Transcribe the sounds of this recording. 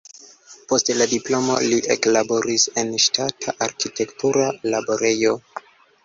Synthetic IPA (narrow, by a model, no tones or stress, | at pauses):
po̞stladiplo̞mo̞̰liʔeklabo̞ɾise̞nʃtatʰaʔaɾkite̞ktuɾalabo̞ɾe̞jo̞